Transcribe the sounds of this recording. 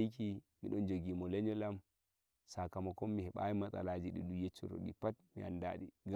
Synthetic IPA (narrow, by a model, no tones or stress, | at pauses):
jkimiɗɔnd͡ʒoɡiːmɔlɛɲɔlam | sakamɔkɔmːihɛɓa̰jimat͡sʼa̰lad͡ʒiɗiɗujɛt͡ʃːɔ̰ɾo̰ɗḭpatmianda̰ːɗiɡ